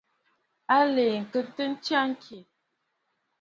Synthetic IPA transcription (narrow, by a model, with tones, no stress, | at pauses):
a˦le˨ŋ̩˨kə˦tə˦n̩˦t͡ʃa˦ŋ̩˦kʰe˨